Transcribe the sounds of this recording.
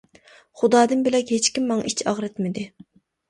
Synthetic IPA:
χud̪ɑːd̪ɨnbɪlɛkʲɦet͡ʃkʲimːɑŋit͡ʃʰɑʁɾɨt̪mɪd̪ɪ

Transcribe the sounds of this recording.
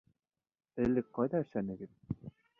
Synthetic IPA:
ɘ̆lːɘk̚qɑjðɑɘ̆ʃænɘ̆ɡɘð̚

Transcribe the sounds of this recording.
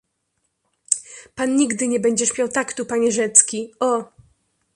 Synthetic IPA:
panːɲiɡd̪ɘɲɛbɛɲd͡ʑɛɕpʲjawt̪akt̪upaɲɛʐɛt̪skʲiɔ

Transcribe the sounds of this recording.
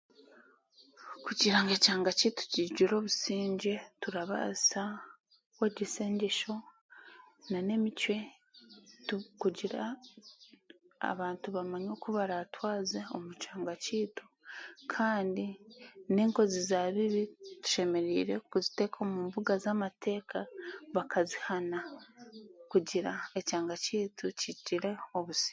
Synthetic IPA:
kuɟiɾaŋɡecaːŋɡaciːto̥ciɟiɾo̞ːβusiːɲɟe̞tuɾaβa̰sa | weɟiseːɲɟeʃo̞ | nane̞micwe̞ | tukuɟiɾa̰ | βaːntuβamaɲo̞kuβaɾatwaːzeo̞mucaːŋɡaciːtu̥ | kʰaːndine̞ːŋko̞zizaβiβitu̥ʃe̞me̞ɾiːɾe̞kuzite̞kʰo̞ːmuːmbuɡazamatʰe̞ːkʰaβakʰazihana | kuɟiɾae̞caːŋɡaciːtucitiɾe̞oβusi̥

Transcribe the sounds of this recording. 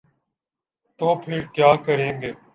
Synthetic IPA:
t̪oːpʰɪɾkjaːkəɾeːŋɡeː

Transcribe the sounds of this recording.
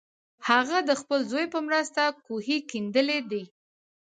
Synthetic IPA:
haɣad̪əxpəlzojpəmɾəst̪akuhikind̪əled̪i

